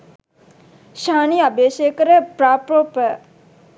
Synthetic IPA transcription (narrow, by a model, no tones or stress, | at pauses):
ʃaːniabeːʃeːkəɾəpɾaːpɾoːpə